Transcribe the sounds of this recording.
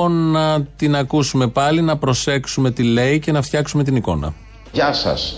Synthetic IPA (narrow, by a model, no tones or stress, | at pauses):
onɐt̪inɐkusume̞pɐlinɐpɾo̞se̞ksume̞t̪ile̞ice̞nɐft̪çɐksume̞t̪̬iniko̞̰nɐ̰ | ʝɐsɐ̰s